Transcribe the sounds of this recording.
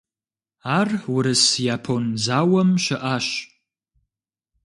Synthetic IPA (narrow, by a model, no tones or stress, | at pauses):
aːrwʊɾɨsjaːpʰonzaːwɐmʃɪʔaːɕ